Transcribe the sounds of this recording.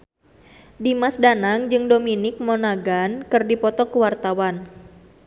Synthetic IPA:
dimasdanaŋd͡ʒɨŋdominɪk̚mɔnaɡankɨrdipɔt̪ɔkəwart̪awan

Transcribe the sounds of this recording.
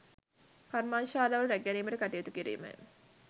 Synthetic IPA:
karmaːnʃaːlaʋɐlɾæɡæniːməʈəkaʈijət̪ukiɾḭːmə̰j

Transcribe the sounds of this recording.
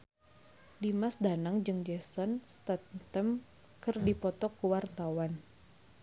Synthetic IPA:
dimasdanaŋd͡ʒɨŋd͡ʒɛsɔnst̪at̪əm | kɨrdipɔt̪ɔkuwart̪awan

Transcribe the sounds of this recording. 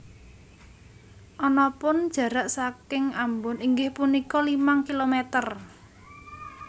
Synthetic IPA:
ʔɔnɔpʊnd̥ʒ̥ä̤ɾaʔsakɪŋambʊniŋɡɪhpunikɔlimaŋkilomet̪ər

